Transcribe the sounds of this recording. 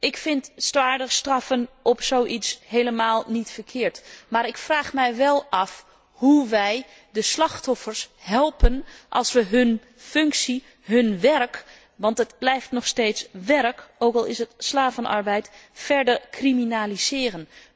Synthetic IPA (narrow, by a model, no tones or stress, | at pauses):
ʔɪkfɪntstʋaːɹdəχstrɑfənʔɔpsoːʔitsɦejləmaːlˠnitfəɹkʰɪːɹtmaːɾɪkfraːχmɛjʋɛlˠɑf | huʋɛj | dəslɑxtɔfəɹshɛlˠpənʔɑ̰lˠsʋəɦɵn | fɵŋksi | ɦɵnʋɛrk | ʋɑntətblɛjftnɔχsteːtsʋɛrkoːkɑlˠɪsətslaːvənʔɑ̰ɹbɛjtfɛɹdəɹkriminaːlizɪːɾən